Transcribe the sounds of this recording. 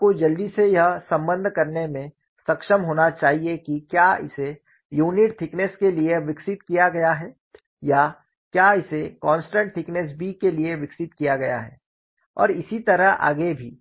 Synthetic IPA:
kod͡ʒɐld̪isejɐɦsɐ̃mbə̃nd̪ʱkɐɾnemẽ | sɐkʃəmɦoːnat͡ʃaːɦiekikjaɪ̰se | juːnɪʈt̪ʰɪknɛskelieʋɪksɪt̪kijaɡɐjaɦɛː | ja | kjaːɪsekɔ̃ːnsʈə̃ɳʈ̚t̪ʰɪknɛs̬bʱikelieʋɪksɪt̪kijaɡɐja̰ɦɛ̰ː | ɔ̰ːɾɪsit̪ɐɾəɦa̰ːɡebʱiː

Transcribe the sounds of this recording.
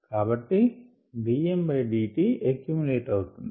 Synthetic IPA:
kaːbɐʈːi | ɖiːembɐjɖiːʈiekjumuleːʈɐwut̪und̪i

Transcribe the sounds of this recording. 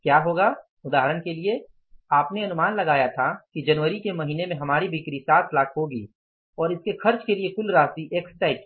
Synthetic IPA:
kjaːɦoːɡa | ʊd̪aːɦɾəñkelie | aːpneɐnʊmaːnlɐɡaːjat̪ʰakid͡ʒɐnʋəɾikemɐɦiːnemẽɦɐmaːɾibʱikɾisaːt̪ʰlaːkʰɦoɡiː | ɔːɾɪskexʰɐɾt͡ʃkeliekʊlɾaːst̪iʔeːksʈaːɪki

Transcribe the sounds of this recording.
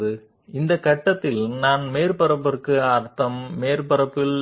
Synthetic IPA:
ðɯ | ɪnd̪ɐkːɐʈːɐt̪ːɪlnaːnmeːɾpɐɾɐpːɐɾkːɯɐɾt̪ːɐmːeːɾpɐɾɐpːɪl

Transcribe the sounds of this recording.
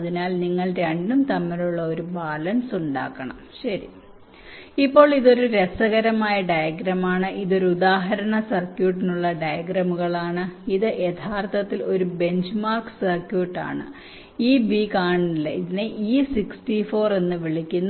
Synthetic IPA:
ɐðinaːlniŋːɐɭɾeɳɖumt̪ɐmːɐɾuɭːɐoɾubaːlɐnsuɳɖa̰ːkːɐɳɐ̰mɕɐɾḭ | ipːo̞ːɭiðo̞ɾuɾesɐɣɐɾɐmaːjɐɖɐjɐɡɾɐmaːɳɨʔiðo̞ɾuud̪aːɦɐɾɐɳɐsɐrkjuːʈ̬ːinuɭːɐɖɐjɐɡɾɐmuɣɐɭaːɳɨiðɨʔe̞t̪ʰaːrt̪ʰɐt̪ːilo̞ɾube̞ɲd͡ʑmaːrksɐrkjuːʈːa̰ːɳɨ̰ | iːbiːkaːɳilːɐiðineʔiːsiksʈifo̞ːre̞nːɨʋiɭikʲːunː

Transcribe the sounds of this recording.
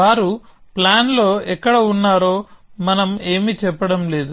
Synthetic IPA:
aːɾuplaːnlo̞ːɛkːɐɽɐunːaːɾo̞ːmɐnɐme̞ːmit͡ʃɛpːɐɽɐmle̞ːd̪u

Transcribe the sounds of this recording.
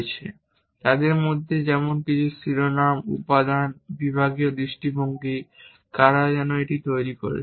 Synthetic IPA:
t͡ɕʰe | t̪ad̪eɾmod̪ʱːed͡ʑɛmonkit͡ɕʰusɾiɾonamṵpad̪anbibʱaɡiod̪ɾiʃʈiboŋɡi | kaɾad͡ʑɛnoeʈit̪ojɾiko̰ɾḛ

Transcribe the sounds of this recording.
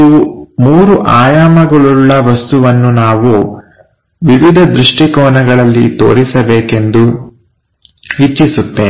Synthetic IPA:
umuːɾuʔaːjaːmɐɡɐɭuɭːɐʋɐst̪uʋɐnːunaːʋu | ʋiʋid̪ʱɐd̪ɾuʂʈikɔːnɐɡɐɭɐlːḭt̪o̞̰ːɾisɐbeːke̞nd̪u | ʋit͡ʃːisut̪ːe

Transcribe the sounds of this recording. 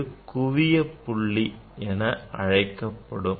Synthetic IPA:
ɯkʊʋɪjɐpːʊɭːi | ɛnɐʔɐ̰ɻɐɪkːɐpːɐɽɯm

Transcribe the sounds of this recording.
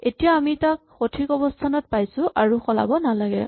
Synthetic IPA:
etijaːmitakxotʰikɔbɔstʰanɔt̚pajsʊ̃ʔaɹuxɔla̰bɔnalaɡɛ̰

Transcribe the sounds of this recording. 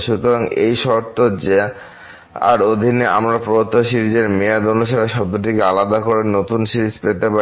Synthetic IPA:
ʃut̪oɾaŋḛjʃɔɾt̪od͡ʑe | a̰ɾod̪ʱineamɾapɾoot̪ːoʃiɾid͡ʑeɾmead̪onuʃaɾeʃɔb̚d̪oʈ̬ikealad̪akoɾenot̪unʃiɾispet̪epa

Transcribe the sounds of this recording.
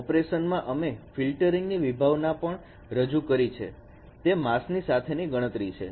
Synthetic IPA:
ɔpɾeʃənmãʔəmefilʈəɾiŋɡniʋibʱaʋnapəɳ | ɾəd͡ʒukəɾit͡ʃʰḛ | t̪emasnisat̪ʰeniɡəɽ̃ət̪ɾit͡ʃʰḛ

